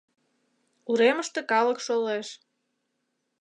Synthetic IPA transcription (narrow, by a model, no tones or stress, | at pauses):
uɾeməʃt̪ĕkɑlə̆kʃoleʃ